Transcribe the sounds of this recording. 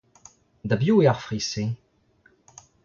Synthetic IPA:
d̪abjueaʁfʁise

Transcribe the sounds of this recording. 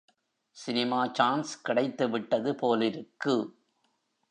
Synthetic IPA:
sɪnɪmaːt͡ʃaːnskɪɽɐɪt̪ːɯʋɪʈːɐðɯpoːlɪɾɯkːɯ

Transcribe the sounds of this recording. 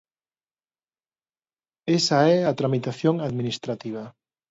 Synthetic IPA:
esaɛat̪ɾamit̪aθjoŋaðminist̪ɾat̪iβ̞a

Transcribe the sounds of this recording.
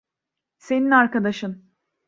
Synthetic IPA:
se̞ninaɾkad̪aʃɯn

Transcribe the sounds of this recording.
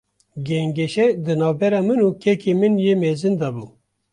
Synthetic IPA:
ɡɛŋɡɛʃɛd̪ɨnɑːvbɛɾɑːmɨnuːkʰɛkʰemɨnjeːmeːzɨnd̪ɑbuː

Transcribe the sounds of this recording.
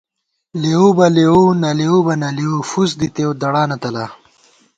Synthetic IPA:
leobɐleonɐleobɐnɐleofusd̪it̪ewd̪ɐɽaːnɐt̪ɐla

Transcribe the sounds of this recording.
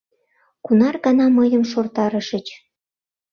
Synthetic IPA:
kunɑrɣɑnɑməjəmʃort̪ɑɾəʃət͡ɕ

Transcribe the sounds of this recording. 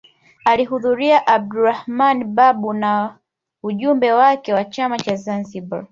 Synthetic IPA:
aliɦuðuɾiaʔab̚duɾahmanɓaɓuna | uʄumbɛwakɛwat͡ʃamat͡ʃazanziɓa̰

